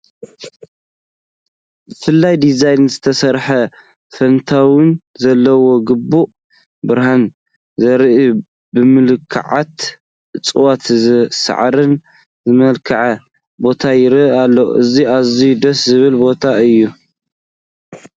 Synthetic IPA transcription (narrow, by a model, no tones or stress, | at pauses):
bɨfɨlːajd̪izajnzɨt̪ʰɐsɐɾħɐ | fɐnt̪ʰawɪnzɐlːɐwo̞ɡɨbuʔ | bɨɾhan | zɐɾɨʔu | bɨmɨlɨkʰːa̰ʕa̰t̪ | t͡sʼɨwat̪zsa̰ʕɾɨn | zɨmɐlkʰɐʕɐ | bo̞t̪ʰajɪɾɨalːoʔɨziazid̪ɐszɨβɨlbo̞t̪ʰaɨjːu